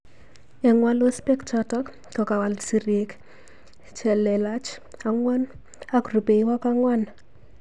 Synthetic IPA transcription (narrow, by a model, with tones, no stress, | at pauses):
ɛ˨ŋwa˦lo˦spɛ˦kt͡ʃɔtɔ˦k | kɔ˨ka˨wa˨lsi˨ɾje˨k | t͡ʃɛ˨lɛ˨la˦t͡ʃ | a˨ŋwɔ˦n | a˦kru˨pe˨iwa˦ka˦ŋwa˦n